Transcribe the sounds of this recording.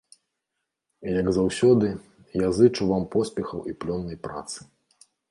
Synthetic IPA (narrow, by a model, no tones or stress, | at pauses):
ijɐɡzawsʲɔd̪ɨ | jazɨt͡ʂuvampɔsʲpʲɛxɐwiplʲɔnːɐjpɾa̰t̪sɨ̥